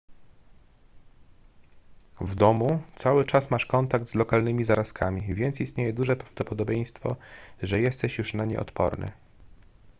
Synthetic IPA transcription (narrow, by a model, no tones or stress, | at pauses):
vd̪ɔmut̪sawɘt͡ʂasmaʂkɔnt̪aɡ̚t̪zlɔkalnɘmʲizaɾaskʰamʲivʲjɛnt̪sʲist̪ɲejɛd̪uʐɛpɾavd̪ɔpɔd̪ɔbʲjej̃st̪fɔ̰ʐɛjɛst̪ɛɕjuʂnaɲɛ̰ʔɔ̰t̪pɔ̰ɾnɘ̰